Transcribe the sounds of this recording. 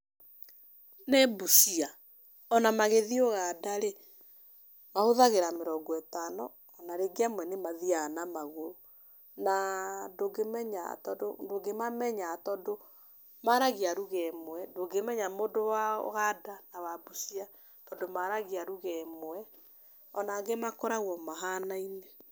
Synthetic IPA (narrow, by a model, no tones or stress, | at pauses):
nɛbusia | ɔnamaɣeðioɣadaɾe | mahoðaɣeɾameɾɔɡɔɛtanɔː | naɾeɡeamwɛnemaðianamaɣoɾo | nadoɡemɛɲa̰tɔdodoɡemamɛɲatɔːndo | maɾaɣiaɾuɣɛmwɛdoɡemɛɲamodowa̰ɣadanawabusia | tɔndomaɾaɣiaɾuɣɛmwɛ | ɔnaɡemakɔɾaɣɔmaɦanaine